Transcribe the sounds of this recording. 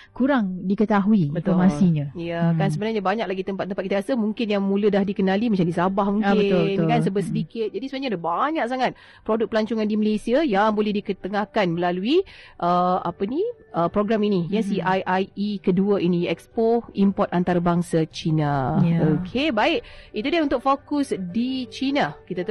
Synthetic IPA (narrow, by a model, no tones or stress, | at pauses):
kuɾaŋdikət̪aɦuibət̪omasiɲajakansəbənarɲabaɲak̚laɡit̪əmpat̪̚ːəmpat̚kit̪akasəmuŋkɪnjaŋmũlədahdikənalimaɲt͡ʃamdisabahmuŋkɪətnkansəbətsədikɪt̪̚d͡ʒadisubaɲadabaɲak̚saŋat̪̚ | pɾodʊk̚pəlaɲt͡ʃuŋandiməlesiajaŋbolɛhdikət̪əŋahkanməlaluiʔəa̰pəni | əpɾoɡɾaminijasiʔajʔajikəduəʔiniɛkspoimpɔt̪̚ant̪aɾabaŋsat͡ʃinaokʰebaɪʔit̪udiaunt̪ʊk̚fokʊsdit͡ʃinakit̪at̪